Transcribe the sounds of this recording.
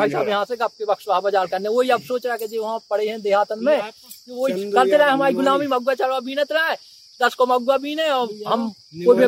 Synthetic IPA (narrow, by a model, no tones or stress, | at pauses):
aːisabjɐɦãseɐp̚kebɐkʃʋaːɦbəd͡ʒaːɾkɐɾneʋoɦiɐbsoːt͡ʃɾaɛked͡ʒeʋɐɦãpɐɽ̤eɦɛ̃d̪eːɦaːt̪ənmẽ | k̪ooiɐɾt̪elaẽɦɐmaːɾiɡʊlaːmimɐɡwat͡ʃaːɾʋabiːnẽt̪ɾaɛ | d̪ɐskomɐɡʋabʱiːnɛ̃ɔːɾɦɐm | koːimẽ